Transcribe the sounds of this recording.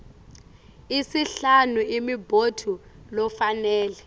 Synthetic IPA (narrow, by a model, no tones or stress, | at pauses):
isiɬanuimibʱodʰʱulɔfanɛːlɛ